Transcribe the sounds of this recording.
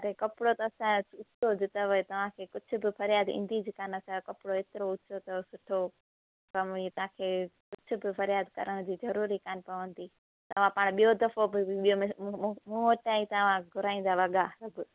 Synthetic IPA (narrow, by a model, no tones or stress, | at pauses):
ɐɾekɐpɪɽot̪ɐɐsãʊt͡ʃʰod͡ʑɪt̪ɐʋɐt̪ɐʋ̤ãkʰeːkʊd͡ʑʱʊ̆bɪfʰɐɾjaːd̪ḭ̃ːn̆d̪id͡ʑikaːnɐsakɐpɪɽoeːt̪ɪɾoʊt͡ʃʰot̪ɐsʊʈʰo | kɐmit̪ɐ̤ãːkʰeːkʊd͡ʑʰʱʊ̆bɪpʰɐɾjaːd̪kɐ̰ɾəɽ̃d͡ʑiːzɐɾuːɾikaːnpɐʋə̃nd̪iː | t̪ɐʋ̤ãpaːɽ̃ɓijod̪ɐfobɪɓijomẽmũɦoʈaːĩt̪ɐʋ̤ãɡʱʊɾaːĩːn̆d̪aʋɐɠaɐbʊ